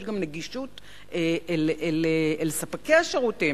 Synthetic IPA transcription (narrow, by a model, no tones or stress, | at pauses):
ʃɡamneɡiʃut | eeleleelsapakejaʃaʁuti